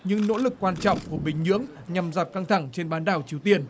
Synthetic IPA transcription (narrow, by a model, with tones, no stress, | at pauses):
ɲɨ̰˧˥ŋno̰˧˥lɨ˨˩kːwaː˧nt͡ɕɔ̰˧˨wŋ͡mku˧˩əɓï˨˩ŋ̟ɲɨ̰˧˥əŋ | ɲa˨˩mza˨˩t̚ka˧ŋt̪ʰa˧˩ŋt͡ɕe˧nɓaː˨˦nɗa̰ː˧˨˩wt͡ɕi˨˦əwt̪i˧ən